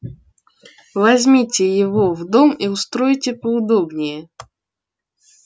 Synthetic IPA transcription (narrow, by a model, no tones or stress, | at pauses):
vɐzʲmʲitʲɪjɪvovd̪omiʊst̪ɾojtʲɪpəʊd̪obnʲɪjə